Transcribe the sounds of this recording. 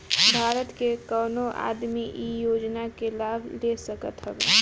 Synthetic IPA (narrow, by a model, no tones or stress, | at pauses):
bʱaːɾət̪kekəːnoʔa̰ːd̪miʔijoːd͡ʒnakelaːblesəkət̪ɦɛbḛː